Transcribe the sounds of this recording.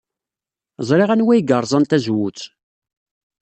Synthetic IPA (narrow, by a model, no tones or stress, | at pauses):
zˤɾeʁænwæjɡəɾˤzˤɑnt̪æzwut͡sː